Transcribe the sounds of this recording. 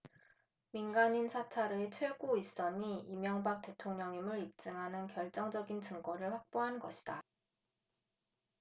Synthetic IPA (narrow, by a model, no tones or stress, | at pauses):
minɡaɲinsʰat͡ɕʰaɾeet͡ɕʰwe̞ɡois͈ʌɲiimjʌŋbak̚t͈e̞tʰoŋɲʌŋɲimɯɾip̚t͡ɕ͈ɯŋɦanɯnkjʌɭt͡ɕ͈ʌŋd͡ʑʌɡint͡ɕɯŋɡʌɾɯɭɸwak̚p͈oɦanɡʌɕʰi̥d̥a